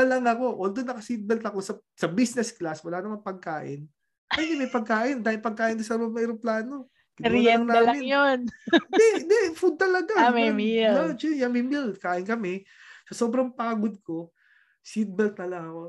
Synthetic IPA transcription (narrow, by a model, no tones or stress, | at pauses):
ɐlaŋɐko̞ʔoːld̪onːɐkɐsit̪̚bɛlt̪ɐko̞sɐsɐbisnɛsklaswɐlaːnɐmɐnpɐɡ̚kaːʔɪ̰n | ad̪ɪmɐjpɐɡ̚kaːʔɪnd̪aːhɪnpɐɡ̚kaːʔɪnonsɐɾomɛɾoŋplaːno̞ | kɪnɾɛɐnamɪnjond̪ɛnd̪ɛfud̪̚t̪ɐlɐɡamɛilot͡ʃɛjɐŋmimilkaːʔɪnkɐmɛ | sɐso̞ːbɾɐŋpaːɡod̪̚ko̞ | sit̪̚bɛlt̪̚nɐlɐŋɐko̞